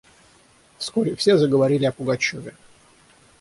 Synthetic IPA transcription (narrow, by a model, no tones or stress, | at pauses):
fskoɾʲɪfsʲe̞zəɡəvɐɾʲilʲɪɐpʊɡɐt͡ɕovʲɪ